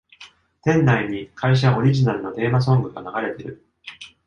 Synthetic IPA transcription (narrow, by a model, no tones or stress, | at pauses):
t̪ẽ̞nːaiɲ̟ikʰaiɕ̬aʔo̞ɾʲiʑinaɾɯ̟no̞d̪e̞ːmas̬õ̞ŋɡɯ̟ɡa̰naɡaɾe̞t̪e̞ɾɯ̟̰